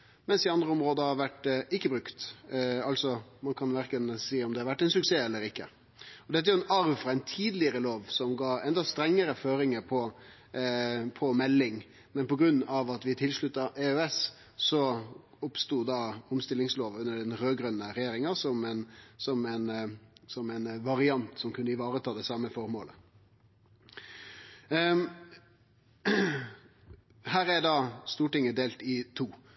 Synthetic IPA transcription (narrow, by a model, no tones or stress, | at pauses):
mɛnsɪɑnd̪ɾəɔmɾoːd̪əhɑɾʋæʈːɪkːəbɾʉkt̪ɑlt̪sɔmɑnkʰɑnʋæɾkənsiːɔmd̪ɛɑɾʋæʈːɛɪnsʉkseːɛlːəɾɪkːə | ɔd̪ɛt̪ːæjʊɛnɑɾʋfɾɑɛɪnt̪ʰiːd̪lɪəɾəloːʋsɔmɡɑːɾɛnd̪ɑst̪ɾɛŋːəɾəføːɾɪŋəɾpʰɔ | pʰɔmɛlːɪŋ | mɛnpɔɡɾʉnːɑʋɑt̪ʋɪt̪ʰɪlʂɭʉt̪ːɑʔeøɛs | sɔ | ʊpst̪uːd̪ɑʊmst̪ɪlɪŋsloːʋʉnːəɖɛnɾøːɡɾœnːəɾɛjeːɾɪŋɑsɔmɛnsɔmɛnsɔmɛnʋɑɾɪɑnt̪sɔmkʰʉnːəɪʋɑːɾət̪ʰɑːd̪ɛsɑməfɔɾmoːlə | hæːɾɛd̪ɑst̪uːʈɪŋːəd̪eːlt̪ɪt̪ʰuː